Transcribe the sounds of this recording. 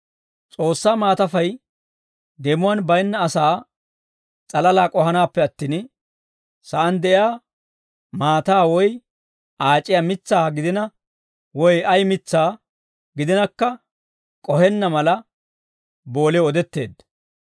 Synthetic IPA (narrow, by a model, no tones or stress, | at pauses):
t͡sʼo̞ːsːaːmaːt̪ɐfɐj | d̪ɛmʊwɐːnbɐjnːɐːsaː | t͡sʼɐlɐlaːkʼɔhɐnaːpːɛɐt̪ːiːn | sɐʔɐnd̪ɛʔɪjaː | maːt̪aːwɔj | ʔaːt͡ʃʼːɪjaːmɪt͡sːaːɡɪd̪ɪnɐ | wɔjɐjmɪt͡sːaː | ɡɪd̪ɪnɐkːɐ | kʼɔhɛnːɐmɐlɐ | bo̞ːleɔd̪ɛt̪ːe̞ːd̪ɐ